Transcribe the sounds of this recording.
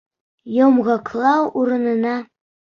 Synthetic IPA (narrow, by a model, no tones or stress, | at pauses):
jomʁɤklˠɑwuɾɤ̆nɤ̆nɑ